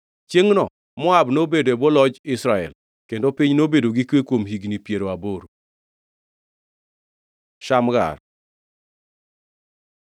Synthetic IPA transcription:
t͡ʃeŋnɔ | mɔabnobedoɛbolɔd͡ʒɪsɾaɛ̰l | kendopɪɲnobedoɡikwekwomhiɡnipjeɾoaboɾ | ʃamɡa̰ɾ

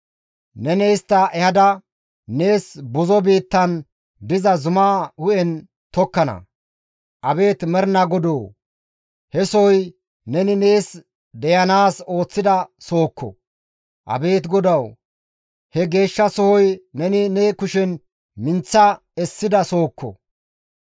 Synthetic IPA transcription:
nɛnɛjst̪ːɐʔɛhɐd̪ɐ | ne̞ːsbʊzɔbiːt̪ːɐn | d̪ɪzɐzʊmaːhʊʔɛn | t̪ɔkːɐnɐ̰ | ʔɐbe̞ːt̪mɛɾnɐɡɔd̪oː | hɛsɔhɔj | nɛnɪneːs | d̪ɛjɐnaːso̞ːt͡sːɪd̪ɐso̞ːkːɔ̰ | ʔɐ̰be̞ːt̪ɡɔd̪ɐw | hɛɡe̞ːʃːɐsɔhɔjnɛnɪneːkʊʃɛn | mɪnt͡sːɐ | ɛsːɪd̪ɐso̞ːkʰːɔ̰

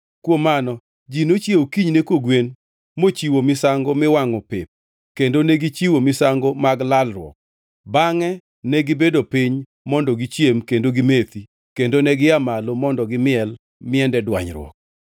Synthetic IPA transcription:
kwomanɔ | d͡ʒinot͡ʃjewkiɲnekoɡwen | mot͡ʃiwomɪsaŋɡomɪwaŋɔpep̚ | kendonɛɡit͡ʃiwomɪsaŋɡomaɡlalrwɔ̰k̚ | baŋɛ | nɛɡɪbedopiɲ | mɔndɔɡit͡ʃjemkendoɡimet̪i | kendonɛɡɪamalomɔndɔɡɪmɪɛl | mɪɛndɛdwa̰ɲɾwɔ̰k̚

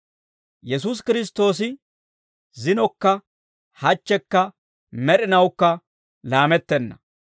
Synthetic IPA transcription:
jɛs̬us̬kɪɾɪs̬t̪ːo̞ːs̬ɪ | zɪnɔkːɐ | hɐt͡ʃːɛkːɐ | mɛɾɪnɐwkːɐ | laːmɛt̪ːɛnːɐ̰

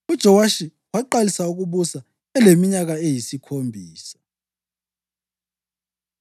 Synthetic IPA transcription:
ud̥ʒ̥ʱɔwaʃi | waǃalisauk̬uɓusa | ɛlemiɲaɣ̬aejisikʰombʱiːsḁ

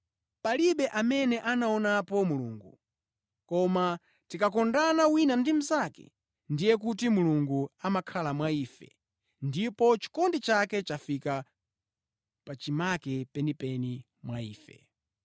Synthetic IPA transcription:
paliɓɛʔamɛnɛʔanaɔnapɔmuluːŋɡu | kɔma | tikakɔndanawinandim̩zakɛ̰ | ndijɛk̬utimuluŋɡuamakʰalamwaiːfɛ̰ | ndipɔt͡ʃi̥kɔndit͡ʃakɛt͡ʃafika | pat͡ʃimakɛpɛnipɛni | mwaiːfɛ̰

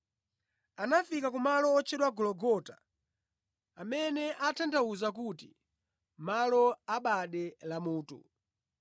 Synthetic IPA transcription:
anafikakumalɔːt͡ʃʰɛɗwaɡɔlɔɡɔta̰ | amɛnɛʔatʰandauzakuti | malɔaɓaɗɛlamuːtṵ

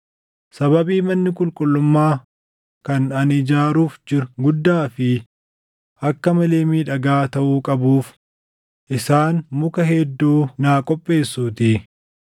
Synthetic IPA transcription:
sɐβɐbiːmɐnːɪkʼʊlkʼʊlːʊmːaː | kɐnɐnɪd͡ʒaːɾuːfd͡ʒɪɾɡʊd̪ːaːfɪ | ʔɐkːɐmɐleːmiːᶑɐɡaːt̪ɐʔuːkʼɐbuːf | ʔɪsaːnmʊkɐɦɛd̪ːuːnaːkʼɔpʼːe̞ːsːuːt̪ɪ

